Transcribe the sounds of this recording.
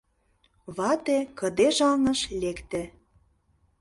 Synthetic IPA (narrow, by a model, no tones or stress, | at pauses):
βɑt̪ekɤ̆d̪eʒɑlnɤ̆ʃlekt̪ĕ